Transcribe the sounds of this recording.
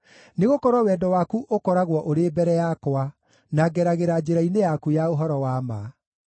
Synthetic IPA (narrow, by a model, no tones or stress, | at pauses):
neɣokɔɾwɔwɛːdɔwakuʔokɔɾaɣwɔʔoɾebɛɾɛjakoa | naɡɛɾaɣeɾad͡ʑeɾainejakujaoɦɔɾɔwama